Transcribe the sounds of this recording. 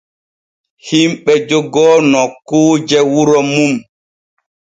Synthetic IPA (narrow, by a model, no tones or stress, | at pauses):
himɓɛd͡ʒɔɡɔːnɔkuːd͡ʒɛwuɾɔmum